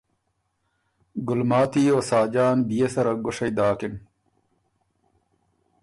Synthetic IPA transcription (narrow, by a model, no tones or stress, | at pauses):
ɡulmaːt̪iːoːsaːd͡ʑaːnbijesɐɾɐɡoʂɐjd̪aːkin